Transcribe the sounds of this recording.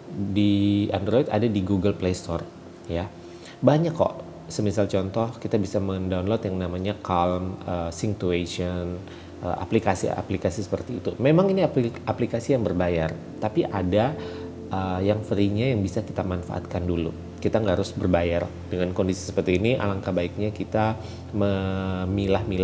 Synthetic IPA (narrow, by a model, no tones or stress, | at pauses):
diandɾoit̪adadiɡuɡəlplest̪ɔr | ja | baɲakːɔ̰ʔ | səmisalt͡ʃɔnt̪ɔhkit̪abisaməndaunlot̪jaŋnamaɲakalməsiŋt̪ueʃən | ʔə̰a̰plikasḭa̰plikasisə̥pərt̪iːt̪umemaŋiniaaplikasijaŋbərbajar | t̪apiʔada | ʔəjaŋfəɾiɲajaŋbisaki̥t̪amanfa̰ʔa̰t̪̚kandulṵ | kit̪aŋɡaɦaɾʊsbərbajar | dəŋankondisi̥sə̥pərt̪iːniʔa̰laŋkabaik̚ɲakit̪a | məmilahmil